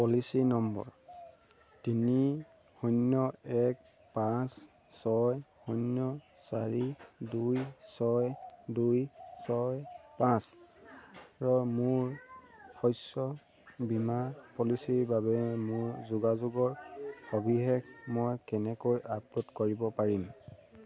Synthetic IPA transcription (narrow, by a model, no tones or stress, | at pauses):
pɔlisinɔmbɔ̰ɹ | tini | hɔnjɔɛk̚ | pãs | sɔjhɔnjɔ | saɹidujsɔjdujsɔjpãs | ɹɔmuɹxɔjsɔ | bimapɔlisiɹbaβɛmuɹzuɡazuɡɔɹxobʱiɦɛkmɔjkɛnɛkojʔaplutkoɹibɔpaɹim